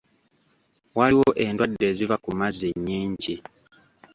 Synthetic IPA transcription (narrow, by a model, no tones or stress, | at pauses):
waliwo̞ʔe̞ndwadːe̞ːzivakumazeɲːiːɲɟi